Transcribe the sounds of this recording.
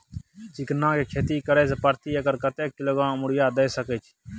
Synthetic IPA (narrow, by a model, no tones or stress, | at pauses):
t͡ʃɪknãːkeːkʰeːt̪iːkəɾeːsepəɾt̪iːəkəɾkət̪eːk̚ːɪloːɡɾãːmmʊɽɪjaːd̪eeːsəkeːt͡ʃʰ